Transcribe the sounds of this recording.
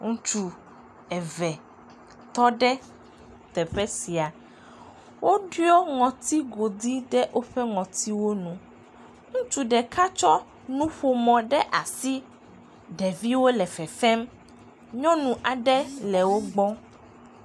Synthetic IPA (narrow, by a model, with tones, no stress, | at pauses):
ŋũ˦t͡ʃu˦ | ɛ˨vɛ˨ | t̪ɔ˦ɖɛ˦ | t̪ɛ˨ɸɛ˦si˨a˨ | wʔo˦ɖu˦ɔ˦ŋɔ̃˨t̪i˦ɡo˨d̪i˦ɖɛ˦ʔo˦ɸɛ˦ŋɔ̃˨t̪i˦wo˦nũ˦ | ŋũ˦t͡ʃu˦ɖɛ˨kʰa˦t͡ʃɔ˦ | nũ˦ɸo˨mɔ̃˨ɖɛ˦ʔa˨si˦ | ɖɛ˨vi˦wo˦lɛ˨fɛ˨fɛ˦m | ɲɔ̃˦nũ˨ʔa˨ɖɛ˦lɛ˨wo˦ɡ͡bɔ˦